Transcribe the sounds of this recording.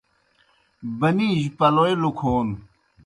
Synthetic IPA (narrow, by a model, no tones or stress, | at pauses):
bɐniːʑpɐloelukʰoːn